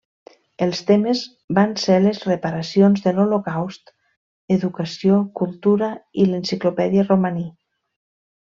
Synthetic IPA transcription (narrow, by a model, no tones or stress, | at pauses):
elˠst̪emez | banselezrepaɾasionzðəlolokawst̪ | eðukəsiokulˠt̪uɾəilensiklopɛðiəromani